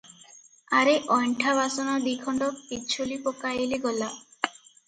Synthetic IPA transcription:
aɾeʔɔjɳʈʰabasɔnɔd̪ikʰɔɳɖɔpit͡ʃʰolipɔkajeliɡɔla

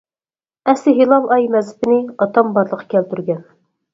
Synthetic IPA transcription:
ɛsɪɦilˠɑlˠɑjmɛzɪpɪnɪɑt̪ɑmbɑɾlˠəqʰɑ̥kʲʰɛlt̪yɾɡʲɛn

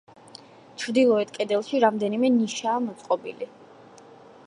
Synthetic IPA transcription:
t͡ʃʰɾd̪ilˠɔɛt̪kʼɛd̪ɛlˠʃiɾamd̪ɛnimɛniʃaːmɔt̪sʼqʼɔbḭli

